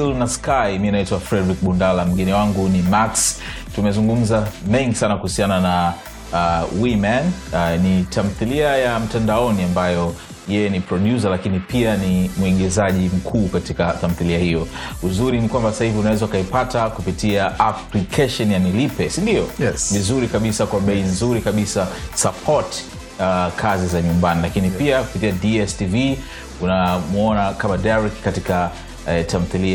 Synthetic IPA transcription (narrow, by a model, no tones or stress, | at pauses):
ilnaskaimiinaitwafɾɛdɾik̚ɓundalam̩ɡinɛwaŋɡunimaks | tumɛzuŋɡum̩zamɛŋɡisanakuhusianana | wimɛnnitʰam̩θiliajam̩tandaɔniambajɔ | jɛjɛnipɾɔɗjuzalakinipianimwiɠɛzaʄim̩kʰuːkatikatam̩θiliahijɔuzuɾinikwambasasahiviunawɛzaakaipatakupitʰiaaplikʰɛʃɔnjanilipɛsindiɔɛvizuɾikaɓisakwaɓɛinzuɾikaɓisasapʰɔt | akʰazizaɲumbanilakinipiakupitiadiɛstivi | unamuɔnakamadajɾɛk̚tkatika | ɛtam̩θilia